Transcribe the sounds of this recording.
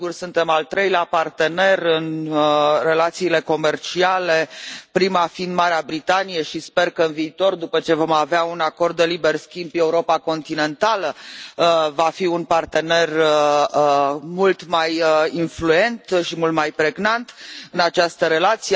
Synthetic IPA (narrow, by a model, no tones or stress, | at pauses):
ɡursunt̪e̞malt̪ɾejleapart̪e̞ne̞rɨn | re̞lat̪siːle̞ko̞me̞rt͡ʃiale̞pɾimafind̪maɾeabɾit̪anijeʃispe̞rkəɨnviːt̪o̞rd̪upət͡ʃe̞vo̞maveaunako̞rd̪ːe̞libe̞rskʲimbe̞uɾo̞pako̞nt̪ine̞nt̪alə | vafiunpart̪e̞ne̞rə | mult̪majinflue̞nt̪ʃimult̪majpɾe̞ɡnant̪ɨnat͡ʃast̪əɾe̞lat̪sie